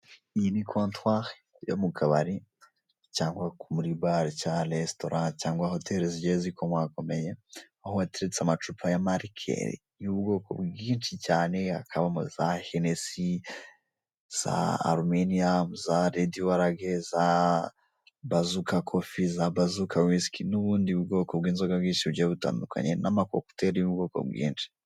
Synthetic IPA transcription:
iinikʰontwaɾ | jo̰mukʰaβa̰ɾi | caːŋɡwakumuɾibaɾcalesto̞ɾʔãcaːŋɡwaɦo̞tʰeɾeziɟezikʰomwakomeje | ahowateɾet͡seamat͡ʃupʰajamaɾikʰḛɾḭ | juβuɡo̞ːko̰bɡɡiːnt͡ʃicaːne̞akʰaβamo̰zahenesi | z̥a̰a̰ɾumeniazaɾediwaɾaɡeza | bazukakʰofizabazukʰawiskʰinuβuːndiβuɡo̞ːkobɡiːnzoɡabɡiːnʃiβuɟeβuta̰ːndukʰa̰ɲḛnamako̰ku̥teɾijuβuɡo̞ːko̰bɡḭːnt͡ʃi̥

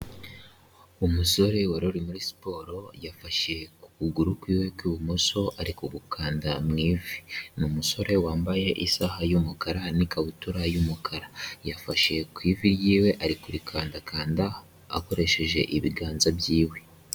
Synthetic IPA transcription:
umuso̞ɾe̞woɾoɾimuɾisi̥po̞ːɾo̞jafaʃe̞ku̥kuɡuɾukwiːwe̞kwuβumuso̞ʔaɾikuɡukʰaːndamŋiːvinumuso̞ɾe̞waːmbaje̞ʔisahajumukaɾanikaβutuɾajumukʰaɾajafaʃe̞kwiːviɾjiːwe̞ʔaɾikuɾikʰaːndakʰaːnda | a̰ko̞ɾe̞ʃe̞ʒe̞̰ʔiβiɡaːnzabjiːwe

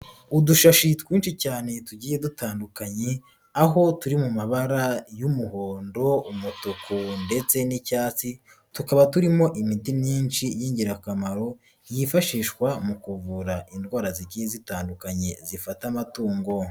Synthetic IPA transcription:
uduʃaʃitwiːnʃicaːne̞tuɟiːje̞dutaːndukaɲe̞ | aɦo̞tuɾimumaβaɾajumuho̞ːndo̞umutukunde̞t͡se̞nicaːt͡si | tukaβatuɾimo̞ʔimitimɲiːnt͡ʃijiːɲɟiɾakamaɾo̞ | jifaʃiːʃkwamukuvuɾaʔindɡwaːɾaziɟiːjezitaːndukaɲe̞zifatamatuːŋɡo̞

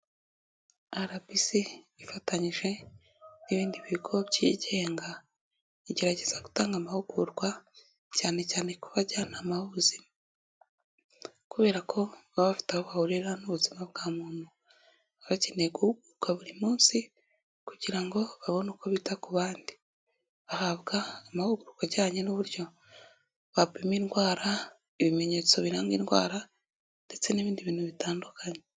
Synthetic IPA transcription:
aɾabisiβifataɲiʒe̞ | niβiːndiβiɡʰo̞bɟiɟe̞ːŋɡa | iɟe̞ɾaɟe̞z̥aɡu̥taːŋɡamahuɡuɾɡwa | caːne̞caːne̞kuβaɟanamahuβuzima | kuβe̞ːɾakʰo̞βaβafi̥tahoβahuɾiɾanuβuzimabɡaːmuːn̥hu | aβacineɡuhuɡuɾukwaβuɾimuːnsi | kuɟiɾaŋɡo̞βaβo̞nokoβitakuβaːndi̥ | βahaβɡaːmahuɡuɾukaɟaːɲenuβuɾjo̞ | βapimiːnɡwaːɾa | iβimeɲet͡so̞βiɾaːŋɡḭnɡwa̰ːɾa | nde̞t͡se̞niβiːndiβiːnhuβitaːndukʰaɲe

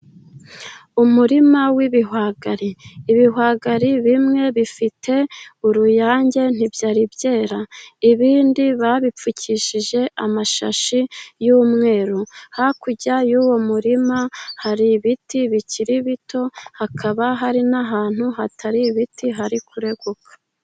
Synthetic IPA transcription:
umuɾimawiβiɦwaːɡaɾiːβiɦwaɡaɾiβimŋe̞βifitʰe̞uɾujaːɲɟe̞n̥ibjaːɾibɟe̞ːɾaiβiːndiβaβip͡fucʰiʃiʒe̞amaʃa̰ʃijuːmŋe̞ːɾuhakuɟajuwo̞muɾimahaɾiβitiβiciɾiβitʰo̞hakʰaβaɦaɾinaɦaːn̥huɦataɾiβitʰiɦaɾikʰuɾe̞ɡokʰḁ

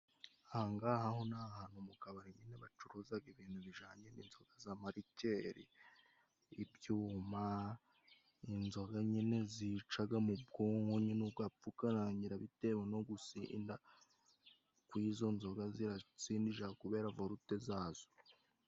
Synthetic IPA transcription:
ahaŋɡaːhahonahaːnumukaβaɾiɲineβat͡ʃuɾozaɡiβiːn̥huβiʒaːɲenḭnzo̞ɡ̥azamaɾice̞ɾḭː | bjuːma | inzo̞ɡaɲine̞zit͡ʃaɡamubɡoŋhoɲinubɡapp͡fukanaɲiɾaβite̞weno̞ɡusinda | kwizo̞nzo̞ɡaziɾat͡siːndiʒakuβe̞ːɾavo̞ɾute̞zaːz̥o

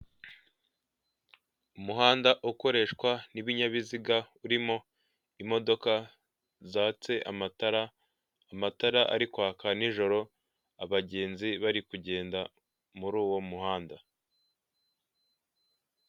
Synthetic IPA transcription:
umuɦaːndaʔuko̞ɾe̞ːʃkwaniβiɲaβiziɡauɾimo̞ | imo̞do̞ka | zaːt͡se̞ʔa̰mataɾaː | mataɾaʔa̰ɾikwaːkaniʒo̞ɾo̞ | aβaɟe̞ːnziβaɾikuɟe̞ːnda | muɾuːwo̞muhaːnda

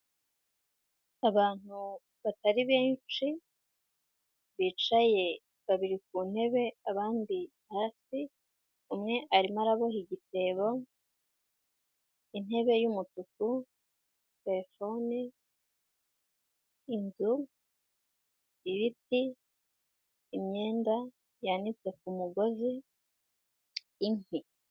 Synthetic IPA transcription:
aβaːn̥hu | βataɾiβeːnt͡ʃi | βit͡ʃaje̞ | βaβiɾik̚uːn̥he̞βe̞aβaːndi | haːsi | umŋe̞ʔaɾimaɾaβo̞hiɟite̞βo̞ | ine̞βe̞jumututu | te̞ɾefo̞ni | inzu | iβiti | mɲe̞ːnda | janit͡se̞k̚umuɡo̞zi | n̥i

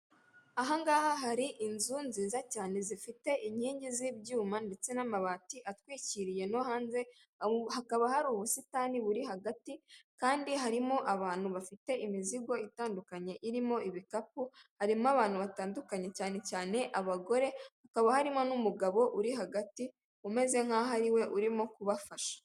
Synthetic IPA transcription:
aɦaŋɡaːhaɦaɾiʔinzunziːzacaːne̞zifite̞ʔiɲiːɲɟizibɟuːmande̞t͡se̞namaβaːtiʔatwiːciɾije̞nohaːnze̞ | hakaβahaɾuːβusitaːniβuɾiɦaɡatikaːndiɦaɾimo̞ʔaβaːn̥huβafite̞imiziɡo̞itaːndukaɲe̞ʔiɾimo̞iβikap̚uhaɾimoaβaːnhuβataːndukaɲe̞caːne̞caːne̞ʔaβaɡo̞ɾe̞hakaβahaɾimo̞numuɡaβo̞ʔuɾiɦaɡati | ume̞ze̞ŋ̥haɦaɾiwe̞ʔuɾimokuβafaʃḁ

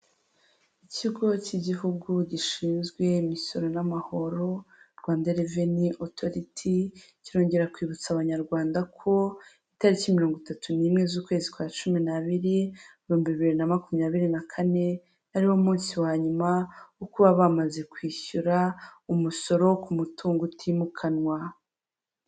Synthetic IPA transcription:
iciɡo̞ciɟiɦuɡuɟiʃiːnzɡwe̞imiso̞ɾo̞namaho̞ɾo̞ɾɡwaːndaɾeveniʔotʰo̞ɾitʰi | ciɾo̞ːɲɟe̞ɾakwiːβut͡saβaɲaɾɡwaːndakʰo̞ | itaɾicimiɾoːŋɡutatuniːmŋe̞zuːkwe̞ːzikwaːt͡ʃuminaβiɾiuβiuːmbiβiβiiɾinamakumɲaːβiɾinakʰane̞ | aɾiwo̞muːnsiwaːɲumaukuβaβamaze̞kwiːçuɾaumuso̞ɾo̞kumutʰuːŋɡutʰiːmukʰanwa

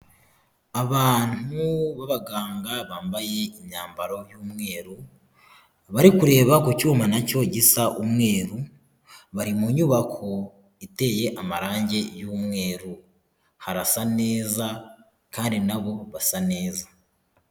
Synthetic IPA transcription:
aβaːn̥uβaβaɡaːŋɡaβaːmbaje̞imɲaːmbaɾo̞juːmŋe̞ːɾu | βaɾikuɾe̞ːβakucuːmanaco̞ɟisaʔumŋe̞ːɾu | βaɾimuɲuːβakʰo̞ | ite̞je̞ʔamaɾaːɲɟe̞juːmŋe̞ːɾu | haɾasane̞ːza | kaːndinaβo̞βasane̞ːza

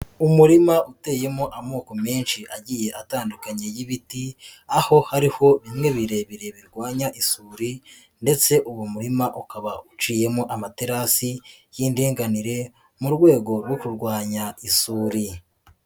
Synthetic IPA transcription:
umuɾimaute̞ːje̞moʔamoːko̞meːnʃiʔaɟije̞ʔataːndukaɲe̞jiβitiaho̞haɾiho̞βimŋe̞βiɾe̞βiɾe̞βiɾɡwaːɲaʔisuːɾi | nde̞t͡se̞ʔuwumuɾimaʔukaβaut͡ʃiːje̞moʔamateɾasijiːndiːŋɡaniɾe̞ | muɾɡwe̞ːɡo̞ɾwokuɾɡwaːɲaisuːɾi

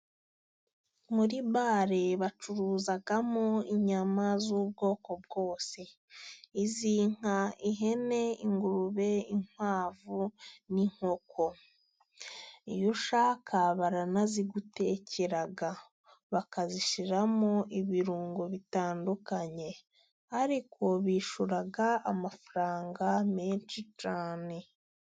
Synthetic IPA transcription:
muɾiβaːɾe̞βat͡ʃuɾuːzaɡamoiɲamazuːb̚ɡo̞ːko̞bɡo̞ːse | iziːŋ̥aiɦe̞ne̞iŋɡuɾuβe̞iŋ̥waːvuniŋ̥ho̞kʰo̞ | ijuʃakʰaβaɾanaziɡute̞ːcʰeɾaɡa | βakaziʃiɾamoʔiβiɾuːŋɡoβitaːndukaɲe̞ | haɾikʰoβiːʃuɾaɡaamafuɾaːŋɡameːnt͡ʃit͡ʃaːne̞

